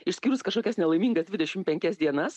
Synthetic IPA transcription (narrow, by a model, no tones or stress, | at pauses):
ɪʃsʲkʲiːɾʊskɐʃkoːkʲɛsnʲɛlˠɐɪmʲiːŋɡɐsd̪ʲʋʲɪdʲɛʃʲɪmpʲɛŋʲkʲɛsd̪ʲiɛnɐs